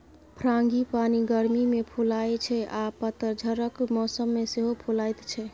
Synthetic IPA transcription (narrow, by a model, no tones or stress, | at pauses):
pʰɾaŋɡipaniɡəɾmimepʰulajt͡ʃʰɛapət̪ːəɾd͡ʒʱəɾəkmɔsəmːeseɦopʰulajt̪t͡ʃʰɛ